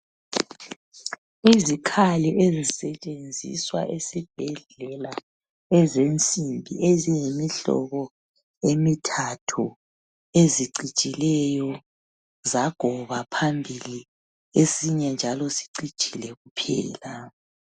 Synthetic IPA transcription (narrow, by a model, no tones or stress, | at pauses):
izikʰaliʔezisɛt͡ʃʼend͡zʱḭswa̰ʔesib̥ʱɛɮ̥ | ɛla | ɛzent͡sʼimbʱiezijemiɬɔ̰ɣɔ | emitʰatʰu | eziǀi̥t͡ʃʼilɛjɔ | zaɡ̥ʱɔβapʰambʱili | esiɲɛnd͡ʒʱalɔsi̥ǀi̥t͡ʃʼilɛɣupʰɛ̰ːla